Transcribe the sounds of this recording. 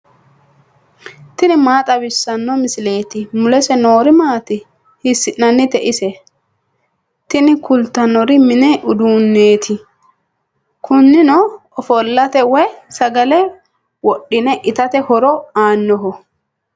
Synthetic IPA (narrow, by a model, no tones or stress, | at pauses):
t̪ɪnɪmaːt̪ʼɐbɪsːɐnːɔmɪsɪle̞ːt̪ɪmʊlɛsɛnoːɾɪmaːt̪ɪ | hɪsːɪʔnɐnːɪt̪ɛʔɪsɛ | t̪ɪnɪkʊlt̪ːɐnɔɾɪmɪnɛʔʊd̪uːnːeːt̪ʰɪ | kʰʊnːɪnɔ | ɔfɔlːɐt̪ɛwɛsɐɡɐlɛ | wɔɗːɪnɛʔɪt̪ɐt̪ɛhɔɾɔaːnːɔɦɔ